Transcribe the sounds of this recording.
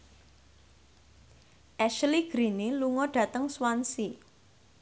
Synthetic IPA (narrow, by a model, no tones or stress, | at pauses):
ʔɛʃliɡ̥ɾiniluŋɔɖ̥ä̤t̪əŋswansi